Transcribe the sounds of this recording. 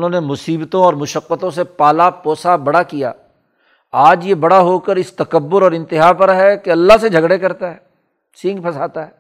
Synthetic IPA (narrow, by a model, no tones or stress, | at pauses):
nɦõːnemʊsiːbt̪õɔːɾmʊʃəqːət̪õsepaːlapɔːsabɐɽakija̰ː | aːd͡ʒjebɐɽaɦoːkəɾɪst̪ɐkəbːʊɾɔːɾɪ̃nt̪ɪɦaːpɐɾɦɛkeɐlːased͡ʒʱɐɡɽekɐɾt̪aɦɛː | sɪ̃ŋɡ̚pʰɐsaːt̪aɦɛː